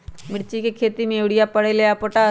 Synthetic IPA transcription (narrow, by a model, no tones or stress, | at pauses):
miɽt͡ɕikekʰet̪imeʋɽijapəɽelejapoʈa